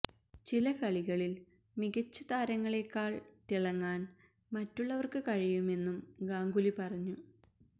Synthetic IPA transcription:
t͡ɕilɐkɐɭiɣɐɭil | miɣɐt͡ɕːɐt̪aːɾɐŋːɐɭe̞kːaːɭt̪iɭɐŋːaːn | mɐtːuɭːɐʋɐrkɨkɐɻijume̞nːumɡaːŋɡulipɐrɐɲːu

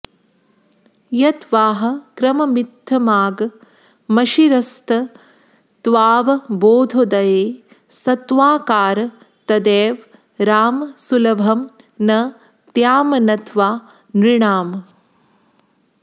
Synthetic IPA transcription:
jɐt̪ʋaːɦɐ̆kɾɐmɐmit̪ːɐmaːɡ | mɐʃiɾɐst̪ɐ | t̪ʋaːʋɐboːd̪ʱod̪ɐjeː | sɐt̪ʋaːkaːɾ | t̪ɐd̪eːʋ | ɾaːmsulɐbʱɐm | nɐ | t̪jaːmɐnɐt̪ʰʋaː | nɾiɳaːm

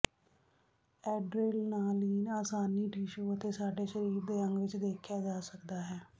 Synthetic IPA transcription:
ɛːɖɾeːlnaːliːnaːsaːniːʈiːʃoːət̪eːsaːɖeːʃəɾiːɾd̪eːəŋɡʋɪt͡ʃd̪eːkʰjaːd͡ʒaːsəkd̪aːɦɛː

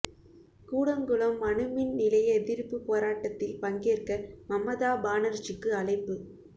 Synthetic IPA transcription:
kuːɽɐŋɡɯɭɐmːɐɳɯmɪnnɪlɐjɐðɪɾɯpːɯpːoːɾaːʈːɐt̪ːɪlpɐŋɡeːrkɐmɐmːɐðaːbaːnɐɾt͡ʃːɯkːɯɐlɐɪpːɯ

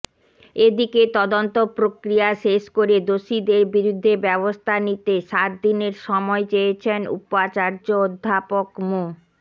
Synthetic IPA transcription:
ed̪iket̪ɔd̪ont̪opɾokɾijaʃeʃkoɾed̪oʃid̪eɾbiɾud̪ʱːebɛβost̪ʰanit̪eʃat̪̚d̪ineɾʃɔmɔet͡ɕejet͡ɕʰenṵpat͡ɕaɾd͡ʑood̪ʱːapokmo

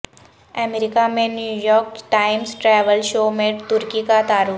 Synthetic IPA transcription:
ɛmeɾɪkamẽnjuːjɔːɾkʈaːɪmsʈɾɛːʋəlʃoːmẽt̪ʊɾkikat̪aːɾuː

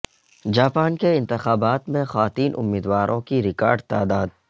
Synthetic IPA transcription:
d͡ʒaːpaːnkeɪ̃nt̪ɪxaːbaːt̪mẽxaaːt̪iːnʔʊ̰mːiːd̪waːɾʔõkiɾɪka̰ːɾɖt̪aːd̪aːd̪̚

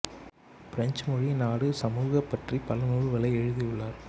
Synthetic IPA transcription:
pɪɾɐɲd͡ʒmɔɻinaːɽɯsɐmuːɣɐpːɐʈripɐlɐnuːɻʋɐlɐɪɛɻɯðijɯɭːaːɾ

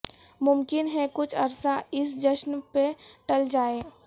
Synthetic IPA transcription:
mʊmkɪnɦɛkʊt͡ʃʰɐ̰ɾsaɪsd͡ʒɐʃnpeʈɐld͡ʒaːeː

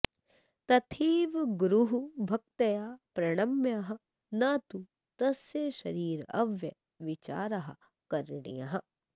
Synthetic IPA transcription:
t̪ɐt̪ʰiːʋɡɾuɦubʱɐk̚t̪ɐjaːpɾɐɽ̃ɐmjaɦɐ̆ | naːt̪u | t̪ɐsjeʃɐɾiːɾɐ̰ʋjɐ | ʋɪt͡ʃa̰ːɾɐɦɐ | kɐɾɳḭjɐ̰ɦɐ

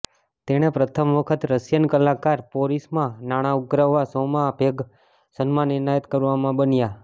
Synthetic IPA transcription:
t̪eɽ̃epɾət̪ʰəmʋəkʰət̪ɾəsjənkəlakaɾpoɾismãnaɽ̃auɡɾaʋːasomabʱeɡ | sənmãnɪɾnajət̪kəɾʋamãbənja

